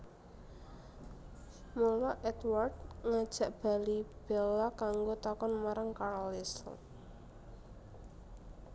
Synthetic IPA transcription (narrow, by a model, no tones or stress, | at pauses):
molɔʔɛt̪ward̪ŋad̥ʒ̥a̤ʔb̥a̤lib̥ɛlːakaŋɡot̪akɔnmaɾaŋkaɾɔlɪsl